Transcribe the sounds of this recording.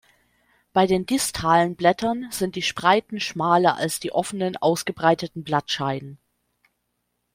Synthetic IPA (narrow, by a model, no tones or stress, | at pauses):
b̥aɪdeːndɪstʰaːlənblɛtʰɐnz̥ɪnt̚d̥iːʃpʁ̥aɪtn̩ʃmaːlɐʔa̰lsd̥iːʔɔfənənʔaʊsɡ̥əbʁaɪtətn̩blatʃaɪnən